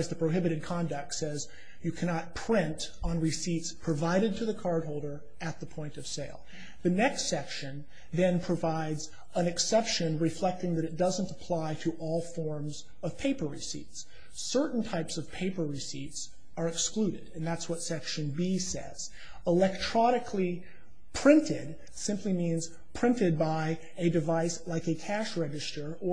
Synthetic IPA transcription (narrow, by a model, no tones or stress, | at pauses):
zðɨpʰɹ̥oʊɦɪbɨɾɨd̚kʰɑ̃ndɨk̚tsɛz | jɨkʰænɑt̚pʰɹ̥ɪ̃ntn̩ɹisitspʰɹ̥ɨvaɪɾɨd̚tʰɨðɨkʰɑɹd̚ɦoʊlˠdə˞ | ɨt̪̚ðəpʰɔ̃ɪ̃ntʌv̥seɪlˠ | ðɨnɛkstsɛkʃɨ̃n | ðɨ̃npʰɹ̥ɨvaɪdz | ə̃nɨksɛpʃɨ̃nɹɨflɛk̚tɪ̃ŋðɨɾɨt̚d̥ʌzə̃ntəpʰl̥aɪɾəʔɔlˠfɔɹmz | ʌv̥pʰeɪpə˞ɹḭsḭts | ɜ˞ʔn̩tʰaɪpsʌv̥pʰeɪpə˞ɹɨsits | ə˞ɨksklʉɾɪɾɨ̃nðætswʌtsɛkʃɨ̃nbisɛ̰z̥ | əlɛk̚tʰɹ̥ɑnɨkʰli | pʰɹ̥ɪ̃ntʰɪd̚ | sɪ̃mplimĩnz̥ | pʰɹ̥ɪ̃ntɨd̚baɪ | ɨdɨvaɪslaɪkɨkʰæʃɹɛd͡ʒɨstə˞ə